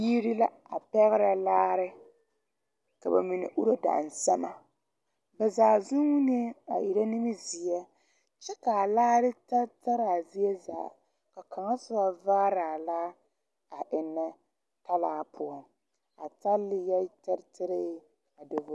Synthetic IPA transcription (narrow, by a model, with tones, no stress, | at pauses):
ji˦ɾi˦la˦ | a˨pɛ˦ɣɪ˦ɾa˨laː˦ɾɪ˦ | ka̰˨ba̰˨mi˨nɪ̰˨ʔu˦ɾo˦da̰˨n˨sa˦ma˦ | bɛ˨zaː˨zʊ˦wu˦n˦e˦a̰˨ʔi˨ɾa˦nɪ˦mɪ˦zi˨ɛ˦ | t͡ʃɛ˦ka˨a˨laː˦ɾɪ˦ta˦ta˦ɾa˨zi˦ɛ˦za̰˨ | ka˨ka˨ŋa˦sʊ˦ba˦va˦ɾaː˨la˦ | a˨ʔɪ˨nːa˦ | ta˦laː˨˦pʰʊ˦ɔ˨ | a̰˨ta˦lːɪ˦jɛ˦tɪ˦ɾtɪ˦ɾɪ˦ | a˨dɪ˨vʊ˨˦